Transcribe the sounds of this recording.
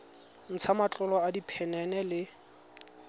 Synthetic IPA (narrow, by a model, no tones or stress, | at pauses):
n̩t͡sʰamat͡ɬʼɔlɔadipʰɛnɛnɛlɪ